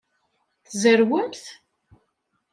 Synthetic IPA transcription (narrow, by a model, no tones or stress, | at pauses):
θzəɾwənθ